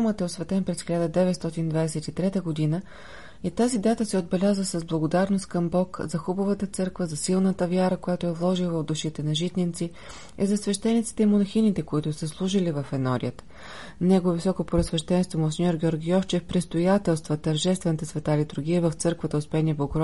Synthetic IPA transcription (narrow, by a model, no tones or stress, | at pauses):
mət̪ɛosvɛt̪ɛnpɾɛsxʲilʲad̪əd̪ɛvɛt̪st̪ɔt̪ind̪vad̪ɛsɛt̪it̪ɾɛt̪əɡod̪inə | it̪azid̪at̪əsɛod̪bɛlʲazəsəzblˠɐɡod̪aɾnost̪̚kəmbɔkzɐxubəvət̪ət̪sɤɾkvəzɐsilˠnət̪əvʲjaɾəkojat̪ʊɛvlˠɔʒilˠvəvd̪uʃit̪ɛnɐʒit̪nint̪si | izɐsvɛʃt̪ɛnit̪si̥t̪ɛimonɐxinit̪ɛkoit̪ʊsəslˠuʒilivəfɛnɔɾḭət̪ | nɛɡovisɔkopoɾəsvɛʃt̪ɛnst̪vomosʲnʲɔɾɡʲɔɾɡʲiɔft͡ʃɛfpɾist̪ojat̪ɛlˠst̪vət̪əɾʒɛst̪vɛnət̪əsvɛt̪alit̪ʊɾɡʲiəvəft̪sɤɾkvət̪əospɛniəbokɾɔ